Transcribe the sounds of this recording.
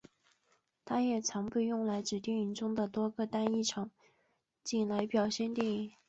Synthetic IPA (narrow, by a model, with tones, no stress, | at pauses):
t̪ʰa˥jɛ˨˩t͡sʰɑ˧˥ŋpu˥˧jʊ˥˩ŋla˧˥ɪʈ͡ʂɻ̩˨˩t̪jɛ˥˩ny˧˥nʈ͡ʂʊ˥ŋd̪ə˨t̪wɔ˥ɡə˧t̪a˥ni˥˩ʈ͡ʂʰɑ˨˩˦ŋ | t͡ɕi˥˩nla˧˥ɪpjɑ˨˩ʊɕjɛ˥˧nt̪jɛ˥˩ŋi˧˥˩